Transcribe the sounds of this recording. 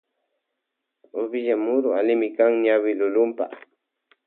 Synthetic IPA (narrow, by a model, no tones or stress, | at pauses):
ʊbɪʎamʊɾʊalɪmɪkaŋɲawɪlʊlʊmpa̰